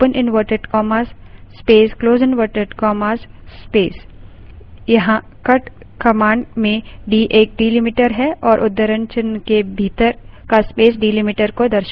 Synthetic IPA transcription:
pənʔɪnʋəːʈəɖkɔːmaːsːpeːskloːzənʋəːʈəɖkɔːmaːsspeːs | jɐɦã | kɐʈ | kɐmãːɳɖmẽɖiːʔeːk̚ɖiːlimɪʈəɾɦɛʔɔːɾʔʊd̪ːəɾə̃ɲt͡ʃənkebʱiːt̪əɾkaspeːs̬ɖiːlimɪʈəɾkod̪ɐɾʃ

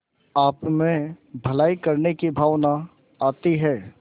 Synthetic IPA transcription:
aːpmẽbʱɐlaːikəɾnekibʱaːʋna | aːt̪iɦɛː

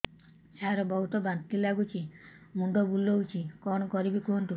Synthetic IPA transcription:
saɾɔbɔɦut̪ɔbant̪ilaɡut͡ʃʰi | muɳɖɔbulːout͡ʃʰikɔnɔkɔɾibikoɦɳʈu

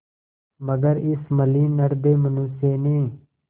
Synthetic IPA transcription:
məɡəɾɪsməliːnəɾd̪eːmənuːseːnĩː

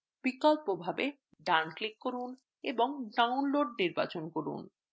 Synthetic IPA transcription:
b̥ikɔlpobʱabe | ɖanklikːoɾun | eboŋɖawnloɖniɾba̰t͡ɕonkoɾṵn

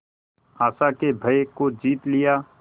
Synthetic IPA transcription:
aːsakebʱəjkod͡ʒiːt̪lɪjaː

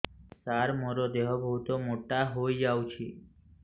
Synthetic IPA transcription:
saɾmoɾod̪eɦobəɦut̪omoʈaɦoid͡ʒawt͡ʃʰe

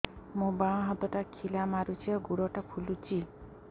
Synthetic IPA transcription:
mũbãɦɔt̪ɔʈakʰilamaɾut͡ʃʰiɔɡuɽɔʈapʰulut͡ʃʰi

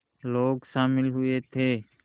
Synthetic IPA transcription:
loːɡsãːmɪlɦʊeːt̪ʰeː

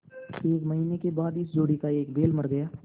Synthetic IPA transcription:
eːkməɦiːnekebaːd̪ɪsd͡ʒoːɽikaeːkbeːlmɐɾɡəjaː

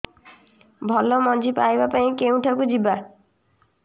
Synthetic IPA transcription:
bʱɔlɔmɔd͡ʒipajbapaĩkeũʈʰakud͡ʒiba

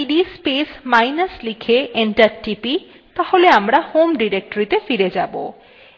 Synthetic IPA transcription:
iɖispesmajnaslikʰeʔeɳʈaɾʈipi | t̪aholeamɾahomɖiɾek̚ʈoɾit̪efiɾed͡ʑabo̰

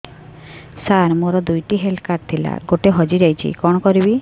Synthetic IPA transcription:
saɾmoɾɔd̪ujʈiɦelkaɾt̪ʰila̰ɡoʈeɦɔd͡ʒid͡ʒajt͡ʃʰḭkɔɽ̃ɔkɔɾibi

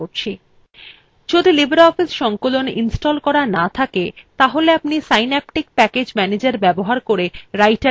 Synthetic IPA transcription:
oɾt͡ɕʰi | d͡ʑod̪ʱilibʱeɾɔfisʃɔŋkoloninsʈolkɔɾanat̪ʰaket̪aɦoleapnisajnɛp̚ʈik̚pɛked͡ʑmɛned͡ʑaɾbɛboɦaɾkoɾeɾajʈa

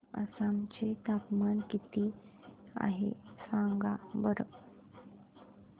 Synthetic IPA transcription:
ə̰sãmt͡ɕet̪apmankit̪iːa̰ɦḛsãŋɡabəɾə

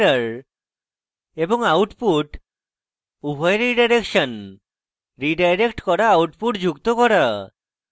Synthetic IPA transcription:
ɾəɾ | ebɔŋawʈpuʈ | ubʱɔjɾiɖajɾekʃɔn | ɾiɖajɾekʈkɔɾaːwʈpuʈd͡ʒukt̪ɔkɔɾa

